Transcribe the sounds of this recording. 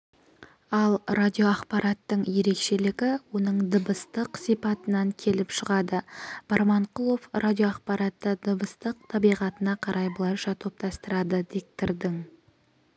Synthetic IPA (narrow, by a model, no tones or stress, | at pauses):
ɑlˠradʲijo̞ɑqpɑɾɑt̪ːəɴje̞ɾe̞kʃe̞lɪɡʲɪwo̞nəɴd̪əbəst̪əqsipɑt̪ənɑŋkʲʰe̞lɪpʃəʁɑd̪əb̥ɑɾmɑɴqʰʊlˠo̞frʔadʲijo̞ɑqpɑɾɑt̪ːəd̪əbəst̪əq̚t̪ʰɑbijʁɑt̪ənɑqʰɑɾʔɑjbəlˠɑʃɑt̪ʰo̞p̚t̪ʰɑst̪əɾɑd̪əd̪ek̚t̪ɪɾd̪ɪŋ